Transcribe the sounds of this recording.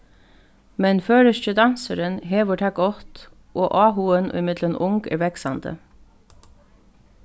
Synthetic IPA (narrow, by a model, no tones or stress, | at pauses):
mɛnføːɾəʃçəd̪ɑnsəɾənɦeːʋəʈʰɑɡɔt̪ | ʔoːʔɑːhuənʔo̰ːɪmɪd̪lənʔʊŋɡæ̰ːʋɛksɑ̰nd̪ə̰